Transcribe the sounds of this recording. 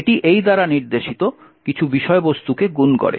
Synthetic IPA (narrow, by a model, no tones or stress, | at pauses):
ʈiʔejd̪aɾaniɾd̪eʃit̪o | kit͡ɕʰubiʃɔebost̪ukeɡunkɔ̰ɾḛ